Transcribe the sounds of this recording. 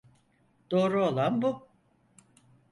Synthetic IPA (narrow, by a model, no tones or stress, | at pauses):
d̪̥o̞ːɾuolˠanbu